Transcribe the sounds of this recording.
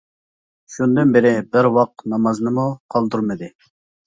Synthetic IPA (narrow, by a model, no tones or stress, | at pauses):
ʃund̪ɨnbɪɾɪbɪɾwɑq̚nɑmɑznɨmuqʰɑlˠd̪uɾmɨd̪ɨ